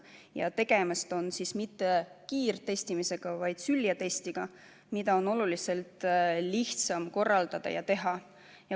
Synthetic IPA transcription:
jɑ̰t̪e̞ɡ̥e̞mɑst̪o̞nsismit̪ːe̞kiːrt̪e̞st̪imise̞ɡ̥ɑvɑjd̪̥syljɑt̪e̞st̪iɡ̥ɑ | mid̪̥ɑo̞no̞lulise̞lt̪ˑliht̪sɑmko̞rːɑld̪̥ɑd̪̥ɑ̰jɑ̰t̪e̞ɦɑ | jɑ

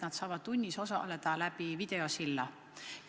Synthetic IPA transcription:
nɑd̪sɑːvɑd̪̥t̪unʲːiso̞sɑ̰le̞d̪̥ɑlæb̥ivid̪̥e̞o̞silːɑ

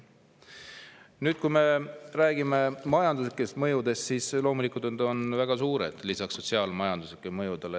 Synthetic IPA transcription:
nyːd̪̥̚kujme̞ɾæːɡ̥ime̞mɑjɑnd̪usikːˑest̪mɤjud̪e̞st̪sislo̞ːmulikˑult̪nɑd̪o̞nvæɡ̥ɑsuːɾḛd̪̥lisɑksːo̞t̪siɑːlmɑjɑnd̪̥usikːˑemɤjud̪ele

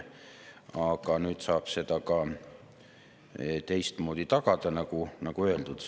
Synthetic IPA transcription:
ɑɡ̥ɑnyːd̪sɑːb̥se̞d̪ɑkɑ | t̪e̞jst̪moːd̪it̪ɑɡ̥ɑd̪̥ɑnɑɡunɑɡ̥uø̞e̞ld̪ud̪

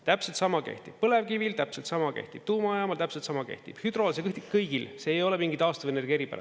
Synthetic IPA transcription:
t̪æpselt̪sɑmɑke̞̰ht̪ib̥̚pːɤle̞vkivilt̪æpselt̪sɑmɑke̞̰ht̪ib̥̚t̪uːmɑɑjɑmɑlt̪æpselt̪sɑmɑke̞̰ht̪ḭb̥hyd̪ɾo̞ːlsekɯht̪ikkɤjɡ̥ilse̞ːjo̞lemiŋɡid̪ɑːst̪ɑvijene̞rɡ̥ʲje̞ɾipæ̰ʔɑ̰

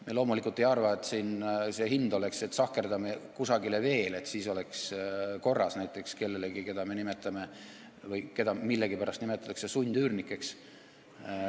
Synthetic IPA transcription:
melo̞ːmulikːˑult̪ːˑejɑrvɑet̪ːˑsiːnse̞ɦind̪o̞le̞kse̞t̪ːˑsɑkːe̞rd̪ɑme̞kusɑɡileve̞ːle̞t̪ːsiːso̞leksko̞rːɑsnæjt̪ˑːe̞kske̞lːe̞leɡike̞d̪̥ɑme̞nime̞t̪ːˑɑme̞ | vɤjke̞d̪ɑmilːeɡ̥ipæɾɑst̪nimet̪ːˑɑt̪ːˑɑksesunʲd̪̥yːrnikːˑe̞ks

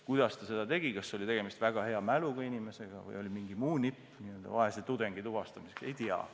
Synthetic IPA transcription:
kujd̪̥ɑst̪ɑse̞d̪̥ɑt̪e̞ɡ̥ikɑsːo̞lʲit̪e̞ɡ̥emist̪væɡ̥ɑhe̞ɑmæluɡ̥ɑinʲime̞se̞ɡ̥ɑ̰vɤ̰jo̞lʲimiŋɡimuːnipːˑ | niø̞ld̪̥ɑ̰vɑɦeset̪ud̪e̞ŋɡ̥it̪uvɑst̪ɑmisekse̞jt̪iɑ̰

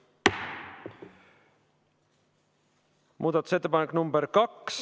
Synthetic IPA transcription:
mʔuːd̪ɑt̪u̥set̪ːepɑnekːˑnumbeɾkɑks

